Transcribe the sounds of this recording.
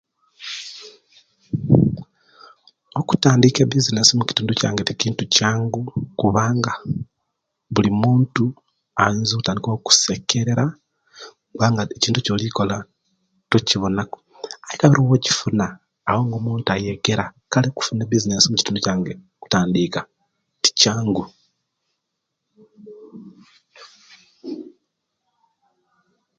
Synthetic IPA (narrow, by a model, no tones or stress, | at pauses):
o̞ku̥taːndikeβizinesomuci̥tuːnduca̰ːŋɡe̞ticiːntucaːŋɡukuβaːŋɡa | βulimuːntu | aeːnzikutaːndikoku̥se̞ke̞ɾe̞ɾa | kuβaːŋɡaeciːntuco̞ːlikola | tociβo̞nako | aikaβiɾiwoci̥funaː | wo̞ŋɡomuːntuajeɡeɾakaleku̥funeβizinesomuci̥tuːndocaːŋɡe | ku̥taːndika | ti̥caːŋɡu